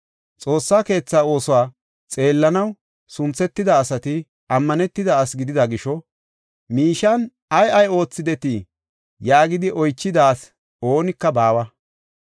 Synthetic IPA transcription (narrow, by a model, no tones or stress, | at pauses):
t͡sʼo̞ːsːaːke̞ːt͡sːaːo̞ːsɔwaː | t͡sʼe̞ːlːɐnɐw | sʊnt͡sːɛt̪ːɪd̪ɐːsɐt̪ɪ | ɐmːɐnɛt̪ːɪd̪ɐːsɡɪd̪ɪd̪ɐɡɪʃɔ | miːʃɐn | ɐjɐjo̞ːt͡sːɪd̪ɛt̪i | jaːɡɪd̪ɪʔɔjt͡ʃːɪd̪aːs | o̞ːnɪkːɐbaːwɐ